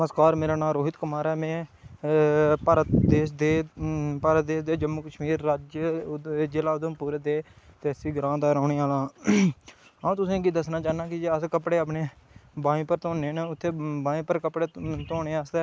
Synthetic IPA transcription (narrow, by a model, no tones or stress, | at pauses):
məskaːɾmeːɾaːnãːɾoːɦɪt̪kəmaːɾɛːmẽː | pəɾd̪eːʃd̪eːpaːɾəd̪eːʃd̪eːd͡ʒəmːoːkəʃmiːɾːaːd͡ʒ | d͡ʒɪlaːʊd̪õːpuːɾeːd̪eːt̪esiːɡɾãːd̪aːɾoːɳiːaːlãː | aũːt̪ʊsĩːɡiːd̪əsnaːt͡ʃaːnãːkɪd͡ʒeːəskəpɽeːap̬neː | bãːĩːpəɾt̪oːneːnʊt̪ʰːeːbãːĩːpəɾkəpɽeːt̪oːneːaseː